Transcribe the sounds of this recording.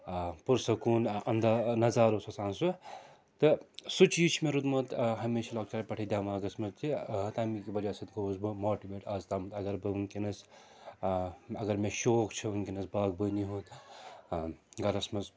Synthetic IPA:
puɾsɐkuːnɐnd̪anɐzaːɾosɐsaːnsu | t̪ɨsut͡ʃiːt͡ʃʰimeɾut̪mɐt̪ɦɐmeːt͡ʃʰilaːk̚t͡ʃaːɾpɐʈʰɐd̪ʲjaːmɐɐɡɐsmɐzt̪ʰit̪ɐmikʲibɐd͡ʒaːsɐt̪ɡoːzbɨmoːʈibeːʈɐzt̪aːmɐt̪ɐɡɐɾbɨɨŋkinɐs | ɐɡɐɾmeʃoːkt͡ʃʰɐunkʲenɐsbaːɡ̚bəniɦut̪ | ɡɐɾɐsmɐz

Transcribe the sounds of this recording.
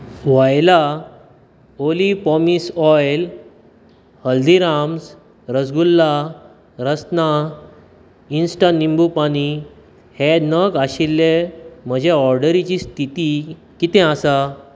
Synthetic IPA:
ʋajla | olipɔmisɔjl | həld̪iɾams | ɾəd͡zɡulːa | ɾəsna | insʈanimbupaɽ̃i | henəɡaɕilːem̤əd͡ʑʱeɔɾɖəɾit͡ɕist̪ʰit̪i | kit̪ɛ̃asa

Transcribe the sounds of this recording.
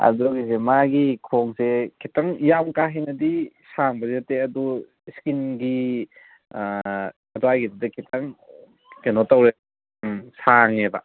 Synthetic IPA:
ɐ̰dɔɡis̬emaɡikʰoŋsekʰitaŋjamkaɦenɐdisaŋbɐzeteɐdu | skinɡi | ɐtoajɡʰididɐkʰitʰaŋ | kenotawɾe | saŋebɐ

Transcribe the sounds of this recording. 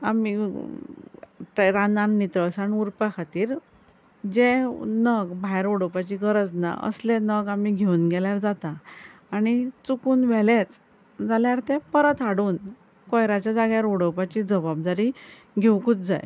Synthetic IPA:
a̰mi | ʈɾananːit̪ɾəsaniuɾpakʰat̪iːɾ | d͡ʑẽnəɡbʱajɾoɽəwpat͡ɕiːɡəɾəd͡zna̰ʔə̰slenəɡamiɡʱeunɡɛljaɾd͡zat̪aː | ɽ̃it͡sukuːnʋɛlet͡s | d͡zaljaɾt̪epəɾət̪aɽuːn | kɔjɾat͡ɕjad͡zaɡjaɾoɽəwpat͡ɕid͡zəbab̚d̪aɾi | ɡʱewkuːt͡sd͡za̰j

